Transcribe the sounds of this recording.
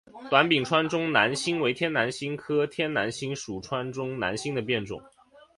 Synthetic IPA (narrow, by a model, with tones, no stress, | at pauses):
t̪wa˧˥npi˨˩ŋʈ͡ʂʰwa˥nʈ͡ʂʊ˥ŋna˧˥nɕi˥ŋwe˧˥ɪt̪ʰjɛ˥na˧˥nɕi˥ŋkʰɤ˥t̪ʰjɛ˥nna˧˥nɕi˥ŋʂu˨˩ʈ͡ʂʰwa˥nʈ͡ʂʊ˥ŋna̰˧˥nɕi˥ŋd̪ə˨pjɛ˥˩nʈ͡ʂʊ̰˨˩˦ŋ